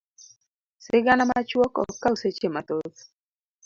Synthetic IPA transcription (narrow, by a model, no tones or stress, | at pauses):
sɪɡanamat͡ʃwɔkɔ̰kːawset͡ʃemat̪ot